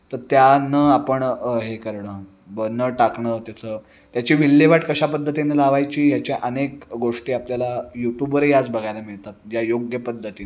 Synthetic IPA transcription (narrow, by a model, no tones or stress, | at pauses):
t̪əɾt̪janəapəɳɦekəɾɳəː | bənəʈakɳət̪jat͡səː | t̪jat͡ɕiːʋilːeʋaʈkəɕapəd̪ʱːət̪inelaʋajt͡ɕiːjat͡ɕjaʔənekɡoʂʈiːapljalajuʈjubʋəɾejad͡zbəɡʱajlamiɭt̪at̪̚d͡ʑjajoɡjəpəd̪ʱːət̪iː